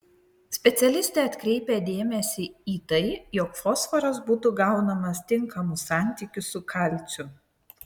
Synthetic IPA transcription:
sʲpʲɛt̪sʲɛlʲɪsʲt̪ʲeːɐt̪ʲkɾʲɛɪpʲed̪ʲeːmʲɛsʲiiːt̪ɐɪjɔkfɔsfɐɾɐsbuːt̪uɡɑˑʊnɐmɐst̪ʲɪŋkʰɐmʊsɑˑnʲt̪ʲikʲʊsʊkʰɐlʲˑsʲʊ

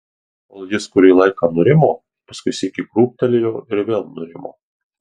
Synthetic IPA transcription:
olˠjʲɪskʊɾʲiːlˠɐɪkɐnoɾʲɪmoː | pɐskʊɪsʲɪkʲɪkɾuːp̚t̪ɐlʲɪjʲoːɪɾʋʲeːlˠnoɾʲɪmo̰ː

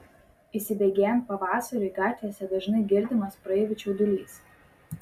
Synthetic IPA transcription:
isʲɪbʲɛɡʲeːjɛmpɐʋɑːsɐɾʲʊɪɡɑːt̪ʲʋʲisʲɛd̪ɐʒnɐɪɡʲɪɾʲd̪ʲɪmɐspɾɐɛʋʲɪt͡ʃʲud̪ʊlʲiːs

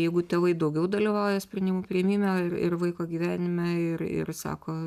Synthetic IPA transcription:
jɛɪɡʊt̪ʲeːʋɐɪd̪ɐʊɡʲɛʊd̪ɐlʲiʋɑʊjɛsʲpʲɾʲɪnʲɪmupʲɾʲɪɛmʲiːmʲɛɪɾɪ̰ɾʋɐɪkoːɡʲiːʋʲæːnʲɪmʲɛɪɾɪ̰ɾsɑ̰ːkoː

